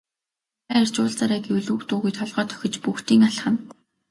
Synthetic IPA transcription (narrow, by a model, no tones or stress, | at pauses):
aːer̥t͡ɕʊːɮt͡saɾæːɡiɵwɮuːkt̪ʊːɣujt̪ʰɔɮʁœːt̪ʰœ̥xʲɪ̆t͡ɕpuxt̪iːŋaɬχə̆n